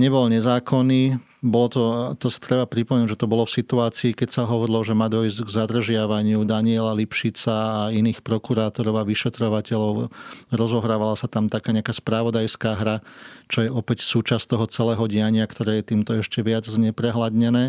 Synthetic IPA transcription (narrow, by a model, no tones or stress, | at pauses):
ɲɛbɔlɲɛzaːkʰɔniː | bɔlɔt̪ɔt̪ɔsḁt̪ɾɛbapɾipɔmɛnuʒɛt̪ɔbɔlɔfsit̪uaːt͡siːkɛcsaɦɔʋɔɾilɔʒɛmaːd̪ɔjzɡzad̪r̩ʒɪaʋaɲɪud̪aɲɪɛlalipʃit͡saːiniːxpɾɔkuɾaːt̪ɔɾɔʊaʋiʃɛt̪ɾɔʋacɛlɔʊɾɔzɔɦɾaːʋalasat̪amt̪akaːɲɪakaːspɾaʋɔd̪ajskaːɦɾat͡ʃɔjɛʔɔpɛcsuːt͡ʃast̪ɔɦɔt͡sɛlɛːɦɔɟɪaɲɪakt̪ɔɾɛːjɛt̪iːmt̪ɔɛʃcɛʋɪad͡zzɲɛpɾɛɦlad̪ɲɛnɛː